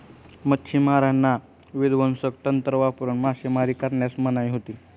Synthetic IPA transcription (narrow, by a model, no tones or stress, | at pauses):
mət̪ʰːimaɾanːa | ʋid̪ʋənsəkt̪ənt̪ɾəʋapuɾəɳmasemaɾiːkəɾɳjasmənajɦot̪iː